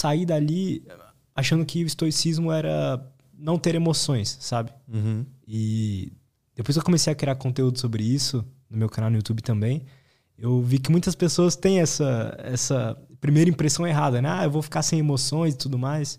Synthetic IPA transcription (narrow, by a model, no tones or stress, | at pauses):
said̪ali | aʃɐ̃nd̪ʊkɪʊist̪oisizmʊɛɾɐ | nɐ̃w̃t̪eɾemosõj̃sːabɪ̃ | ɪ | d̪̥epojskewkomesejɐkɾiaɾkõnt̪eud̪ʊsobɾɪisʊnʊmewkʰanawnʊjut̪ubɪt̪ɐ̃mbẽj̃ | ewvikɪmũj̃t̪ɐspesoɐst̪ẽj̃ɛsɐɛsɐpɾimejɾɐĩpɾesɐ̃w̃eɦad̪ɐnɛaewvofi̥kaɾsẽj̃emosõj̃zɪt̪ud̪ʊmajs